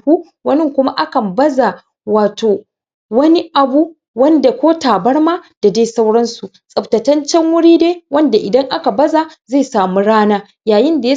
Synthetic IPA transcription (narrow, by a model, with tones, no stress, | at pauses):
hu˦ | wɐ˦nɪ˦˨ŋkʷʊ˦ma˦ʔa˦kɐ˨mbɐ˦za˨ | waː˨toː˨ | wɐ˦ni˦ʔa˨bu˦ | wɐ˦nda˨kʷoː˦taː˨bɐ˦ɽmaː˦d̥a˨deː˦jsa˦wɽɐ˦nsu˨ | sʼɐ˨btɐ˨tɐ˦nt͡ʃɛ˦ŋwʊ˦ɽiː˦deː˦wɐ˦nda˨ʔɪ˨dɐ˦ŋʔa˦ka˨bɐ˦zaː˨za˦˨saː˨mu˦ɽaː˦naː˦ | jaː˨jɪ˦nda˨j